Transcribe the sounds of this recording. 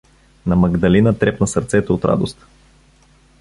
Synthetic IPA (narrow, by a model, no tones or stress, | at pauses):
nɐmɐɡd̪ɐlinət̪ɾɛpnɐsəɾt̪sɛt̪oot̪ɾa̰d̪ost̪